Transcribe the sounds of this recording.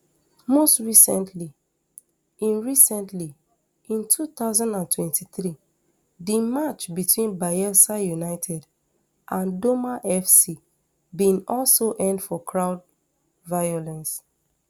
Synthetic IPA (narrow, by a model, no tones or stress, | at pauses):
mostɹisɛ̃ntʰli | ĩnɹisɛ̃ntʰli | ĩntʰuθaʊzãndãntʰwɛ̃ntʰiθɹi | dimat͡ʃbitwĩnbaɛsajunaɪtʰɛd | ʔãndomaʔɛfsi | bĩnɔlsoʔɛ̃ndfɔkʰɹaʊd | vajolɛ̃ns